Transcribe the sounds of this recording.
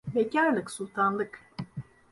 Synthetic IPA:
becʰaɾlˠɯksulˠt̪ʰanlˠɯk

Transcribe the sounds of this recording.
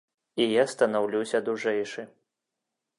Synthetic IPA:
ijast̪ɐnawlʲuwsʲɐd̪uʐɛjʂɨ

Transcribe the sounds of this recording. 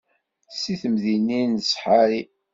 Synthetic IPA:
siθəmðininəsħaɾi

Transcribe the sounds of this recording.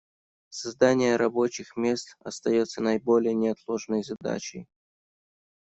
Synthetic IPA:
sɐzd̪anʲɪjəɾɐbo̞t͡ɕɪxmʲe̞st̪ɐ̰st̪ɐjo̞t̪sənɐɪbo̞lʲɪjənʲɪɐt̪lˠo̞ʐnəjzɐd̪a̰t͡ɕɪ̰j

